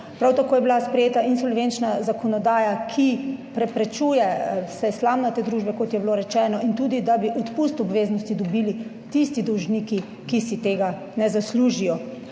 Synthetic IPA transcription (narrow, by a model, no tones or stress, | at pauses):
pɾawt̪akoːjɛbilaspɾɛjeːt̪aʔinsɔlʋent͡ʃnazakɔnɔd̪aːjakʰipɾɛpɾɛt͡ʃuːjɛsɛslamnat̪eːd̪ɾuʒbɛkot̪jɛbloɾɛt͡ʃɛːnɔʔint̪uːd̪id̪abiʔɔt̪pust̪ɔbʋeːznɔst̪id̪ɔbili | t̪ist̪id̪ɔwʒniki | kisit̪eːɡa | nɛzasluːʒijɔ